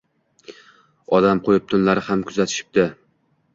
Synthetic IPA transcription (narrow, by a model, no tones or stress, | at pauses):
ɒd̪amqʰojɪp̚t̪ʰʊnlaɾɪhamkʰʊzat̪ʰɪ̥ʃɪ̥p̚d̪ɪ